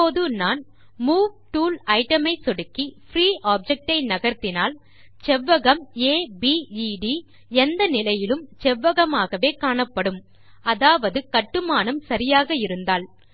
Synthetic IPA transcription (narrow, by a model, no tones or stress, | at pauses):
oːðɯnaːn | muːʋʈuːlɐɪʈɐmɐɪsɔɽɯkːifɾiːʔaːb̚d͡ʒɛk̚ʈɐɪnɐɣɐɾt̪ɪnaːl | t͡ʃɛʋːɐɣɐmeːbiːiɖi | ɛnd̪ɐnɪlɐjɪlɯmt͡ʃɛʋːɐɣɐmaːɣɐʋeːkaːɳɐpːɐɽɯm | ɐðaːʋɐðɯkɐʈːɯmaːnɐmsɐɾɪjaːɣɐɪɾɯnd̪aːl